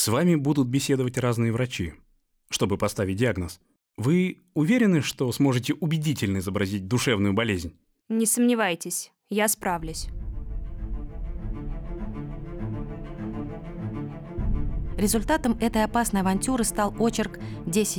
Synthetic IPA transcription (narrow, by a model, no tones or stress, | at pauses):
svamʲɪbud̪ʊt̪̚bʲɪsʲe̞d̪əvətʲraznɨjəvɾɐt͡ɕi | ʂt̪o̞bɨpɐst̪avʲɪt̚ʲdʲɪaɡnəs | vɨ | ʊvʲeɾʲɪnɨʂt̪o̞smo̞ʐɨtʲɪʔʊbʲɪdʲitʲɪlʲnəɪzəbɾɐzʲit̚ʲd̪ʊʂɛvnʊjʊbɐlʲezʲnʲ | nʲɪsəmnʲɪvajtʲɪsʲ | jaspɾavlʲʊsʲ | ɾʲɪzʊlʲt̪at̪əmɛt̪əjɐpasnəjɐvɐnʲtʲuɾɨst̪alˠo̞t͡ɕɪrk | dʲesʲɪ